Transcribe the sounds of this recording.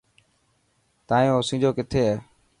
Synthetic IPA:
t̪aːjõːsĩːd͡ʑoːkɪt̪ʰeːɛː

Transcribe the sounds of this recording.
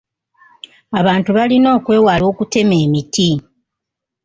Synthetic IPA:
aβaːntuβalino̞ːkwe̞ːwaːlo̞ːkute̞me̞ːmitʰi

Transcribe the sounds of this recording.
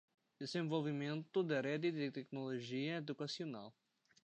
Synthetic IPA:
d̪̥ezẽvolvimẽnt̪ʊd̪ɪɾɛd̪ɪd̪t̪ɛknoloʒiɐed̪ukasiona̰w

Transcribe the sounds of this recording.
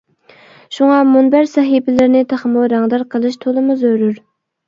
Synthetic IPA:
ʃuŋɑmunbæɾsɛɦibɪlɪɾnɪt̪ʰæχmuɾɑŋd̪ɑɾqʰəlˠɨʃt̪ʰolˠɨmuzøɾyɾ

